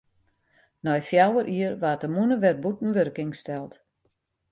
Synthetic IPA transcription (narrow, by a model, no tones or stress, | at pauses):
nɔjfjawərʔiərʋaːtəmunəʋɛr̚butn̩ʋørkɪŋstɛlˠt